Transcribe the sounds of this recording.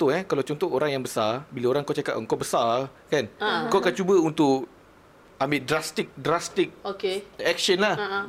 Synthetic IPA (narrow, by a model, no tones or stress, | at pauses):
t̪oɛkalawt͡ʃɔnt̪ɔʔoɾaŋjaŋbəsarbilaoɾaŋkat͡ʃaka̰t̪̚ŋkɔʔbəsarkankɔkant͡ʃubəunt̪ʊʔ | ambɪdɾast̪ik̚dɾast̪ik̚okeɛk̚ʃənlah